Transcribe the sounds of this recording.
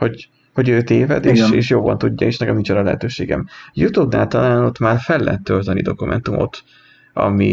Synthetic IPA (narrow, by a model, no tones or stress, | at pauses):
ho̞ɟ | ho̞ɟøːt̪eːvɛd̪eːʃeːʃjoːbɒnt̪uɟːɒeːʃnɛkɛmniːnt͡ʃɒnɒlɛɦɛt̪øːʃeːɡɛ̰mjut̪ubna̰ːlt̪ɒlaːno̞t̪maːrfɛlːɛɦɛt̪ːølt̪ɛnid̪o̞kumʔɛ̰nt̪umʔo̞̰t̪ | ɒ̰mi